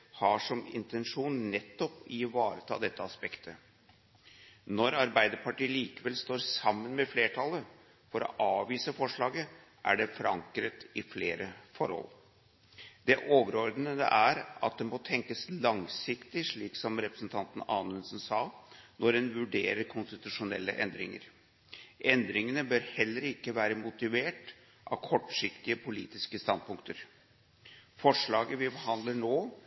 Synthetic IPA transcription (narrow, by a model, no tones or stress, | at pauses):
hɑʂɔmɪ̰nt̪ɛnʂuːnnɛt̪ːɔpɪʋɑːɾət̪ʰɑ̰ːd̪ɛt̪ːəɑspɛkt̪ʰə | nɔɾɑɾbæɪd̪əɾpʰɑʈiːəliːkəʋɛlst̪oːɾsɑmːənmɛfleːʈʰɑlːə | fɔɾɔ̰ʔɑːʋiːsəfɔʂɭɑːɡə | ʔæ̰ɖɛfɾɑ̰ŋkɾət̪ɪfleːɾəfɔɾhɔ̰l | d̪ɛʔoːʋəɾɔɾd̪ənəd̪ɛ̰ʔæɾɑ̰t̪̚d̪ɛmot̪ʰɛŋkəslɑŋsɪkt̪ɪʂɭiːksɔmɾɛpɾəsnt̪ʰɑnt̪ənɑːnʉnsnsɑːnʔɔɾdɛnʋʉɖḛːɾəɾkʰʊnst̪ɪt̪ʉʂʊnɛ̰lːə̰ʔɛnd̪ɾɪŋə̰ɾ | ʔɛnd̪ɾɪŋənəbøɾhɛlːəɾɪkːəʋæːɾəmʊt̪ɪʋeːʈ | ʔɑ̰ʋkʰɔʈːʂɪkt̪ɪəpʰʊlḭːt̪ɪskəst̪ɑnd̪̚pʰʊŋkt̪əɾ | fɔʂɭɑːɡəʋɪbəɦɑnd̪ləɳoː